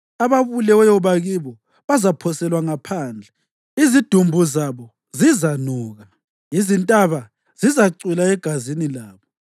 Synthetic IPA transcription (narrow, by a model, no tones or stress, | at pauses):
aβaβulɛɔjɔβaɣiβɔ | βazapʰɔsɛlwaŋapʰaːnd͡ɮʱɛ | izid̥ʱumbʱuzaβɔ | zizanɔːɣa | jizintʼaβa | zizaǀilaɛɡ̥ʱazinilaːβɔ